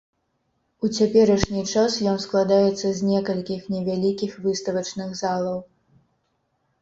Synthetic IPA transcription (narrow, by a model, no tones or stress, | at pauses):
ut͡sʲapʲɛɾɐʂnʲit͡ʂasjɔnsklˠad̪ajɛt̪sːɐzʲnʲɛkɐlʲkʲixnʲɛvʲalʲikʲixvɨst̪ɐvɐt͡ʂnɨɣzalˠɐw